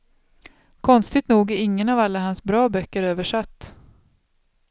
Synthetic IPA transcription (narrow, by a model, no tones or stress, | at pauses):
kʰɔnst̪ɪt̪nuːɡæɾɪŋːənɑvalːaɦansbɾɑːbœkːəɾøːvəʂat̪ː